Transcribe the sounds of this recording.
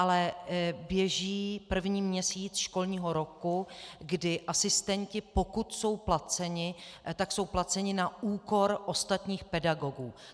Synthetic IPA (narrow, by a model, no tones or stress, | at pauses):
ʔalɛbjɛʒiːpr̩vɲiːmɲɛsiːt͡sʃko̞lɲiːɦo̞ɾo̞kuɡdɪʔasɪst̪ɛɲcɪpo̞kut̪so̞wplat͡sɛɲɪt̪akso̞wplat͡sɛɲɪnauːko̞ɾʔo̞st̪at̪ɲiːxpɛdaɡo̞ɡuː